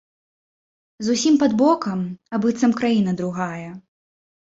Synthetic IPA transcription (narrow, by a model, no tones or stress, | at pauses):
zusʲimpɐd̪bɔkɐmɐbɨt̪sɐmkɾajin̪ɐd̪ɾuɣajɐ